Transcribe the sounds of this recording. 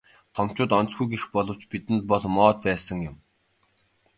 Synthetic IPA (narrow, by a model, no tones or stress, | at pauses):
t̪ʰɔm̥t͡ɕʊːt̪ɔnt͡sɡujɡexpɔɮɞ̆w̥t͡ɕpit̪ɘ̆nt̪̚pɔɮmɔːt̪̚pæːsə̆ŋjʊm